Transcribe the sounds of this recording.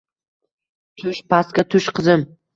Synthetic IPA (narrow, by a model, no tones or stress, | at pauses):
t̪ʰʊʃpʰaskʲat̪ʰʊʃqʰɨzɪm